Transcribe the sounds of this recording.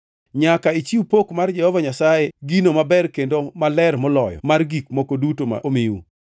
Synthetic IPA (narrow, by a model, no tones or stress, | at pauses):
ɲakait͡ʃiupokmard͡ʒɛhɔvaɲasajeɡinomabɛrkendomalɛɾmɔlɔjɔ̰marɡikmokodutoma̰miṵ